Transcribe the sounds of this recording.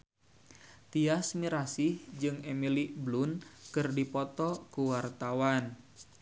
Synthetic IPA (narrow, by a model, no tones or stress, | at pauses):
t̪iasmiɾasihd͡ʒɨŋemiliblunkɨrdipɔt̪ɔkuwart̪awan